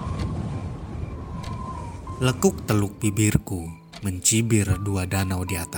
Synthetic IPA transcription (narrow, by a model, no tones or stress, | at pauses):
ləkʊk̚t̪əlʊk̚bibɪrku | məɲt͡ʃibɪrduadanawdiat̪a